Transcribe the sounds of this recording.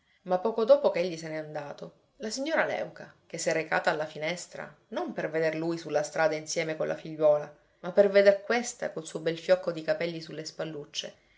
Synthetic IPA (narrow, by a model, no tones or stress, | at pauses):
mapːɔːkod̪oːpokeeʎːiseneand̪aːt̪o | lasiɲːoːɾalɛ̰wkak̟esːɛrːeka̰ːt̪aːlːafinɛst̪ɾa̰ | nomperved̪erlujsulːast̪ɾaːd̪ainsjɛːmekolʔa̰fiʎːwɔːla | mapːerved̪erkwest̪a̰kolsuːobɛlfjɔkːod̪ikapɛlːisulːespalːut͡ʃːḛ